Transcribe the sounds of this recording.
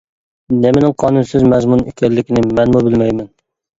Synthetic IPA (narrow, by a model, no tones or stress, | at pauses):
nemɪnɪŋqʰɑːnunsɪzmɛzmunykʲʰɛlːɪkʲinɪmɛnmubɪlmɛjmɛn